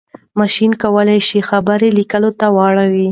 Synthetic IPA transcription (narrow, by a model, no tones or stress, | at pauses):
mɑʃinkawəlajʃixabəɾelikəlot̪awɑɽawi